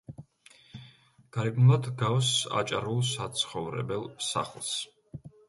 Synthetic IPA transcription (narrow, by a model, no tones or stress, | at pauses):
ɡ̥aɾibnulˠad̪ɡawsa̰t͡ʃʼaɾulˠsat̪sʰχɔvɾɛ̰bɛlˠsa̰χlˠs